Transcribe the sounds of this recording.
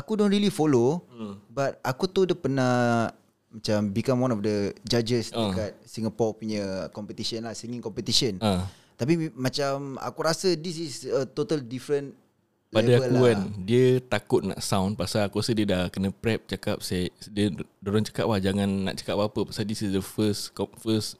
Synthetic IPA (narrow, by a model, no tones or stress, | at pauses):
akudonɾilifolobat̪̚akut̪udəpəna | mat͡ʃambikamwanɔfdəd͡ʒad͡ʒəsakat̪̚siŋapɔpuɲəkɔmpət̪isənlahsiŋĩŋkɔmpət̪isəna | t̪ap̬imãt͡ʃama̰kuɾasədisisət̪ot̪aldifɾən | lpaedaabəlkuandiət̪akʊt̪̚na̰ʔsawnpasakuɾasədiədahkənə̃pɾɛp̚t͡ʃakap̚sadiədoɾaŋt͡ʃḁka̰ʔ̚lahd͡ʒaŋãnːa̰ʔt͡ʃḁkap̚waapəpasadisisdəfəskɔfəs